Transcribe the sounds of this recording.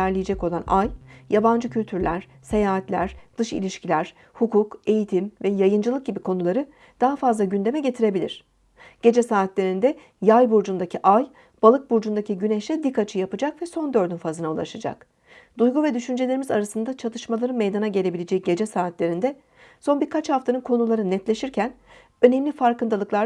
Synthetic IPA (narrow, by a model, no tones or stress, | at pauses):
æɾlʲijed͡ʒɛco̞lˠanajjaband͡ʒɯcʰylʲt̪ʰyɾlʲæɾ̥ | se̞jaːɦat̪lʲæ̰ɾ̥d̪̥ɯʃḭlʲiʃcilʲæɾ̥ | hukuke̞jit̪ʰimvɛjajɯnd͡ʒɯlˠɯk̚ɟibikʰo̞nulˠaɾɯ | d̪̥aɦafazlˠaɟynd̪e̞mɛɟe̞t̪ʰiɾe̞bilʲiɾ̝̥ | ɟ̥e̞d͡ʒɛsaːt̪lʲe̞ɾind̪ɛ | jajbuɾd͡ʒund̪acʰiʔaj | b̥alˠɯk̚buɾd͡ʒund̪acʰiɟyneʃʲɛd̪ikʰːat͡ʃʰɯjapɯd͡ʒakvɛso̞nd̪ø̞ɾd̪ynfazɯnaulˠa̰ʃad͡ʒa̰k | d̪ujɡuvɛd̪yʃynd͡ʒelʲe̞ɾimiza̰ɾasɯnd̪at͡ʃʰat̪ʰɯʃmalˠaɾɯnmejd̪anaɟelʲe̞bilʲed͡ʒɛɟe̞d͡ʒɛsaːt̪lʲe̞ɾind̪ɛ | so̞nbiɾkʰat͡ʃhaft̪ʰanɯnkʰo̞nulˠaɾɯnɛt̪lʲe̞ʃiɾcʰæn | ø̞nɛmlʲifaɾkɯnd̪alˠɯklˠa